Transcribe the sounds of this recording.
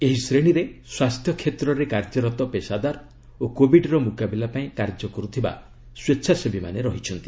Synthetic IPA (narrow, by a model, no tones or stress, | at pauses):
eɦisɾeɽ̃iɾeswast̪ʰjɔkʰet̪ɾɔɾekaɾd͡ʒɔɾɔt̪ɔpesad̪aɾ | okobiɖɾɔmukabilapaĩkaɾd͡ʒɔkɔɾut̪ʰiba̰ | swetːʃʰasebima̰neɾɔɦit͡ʃʰɔnt̪i̥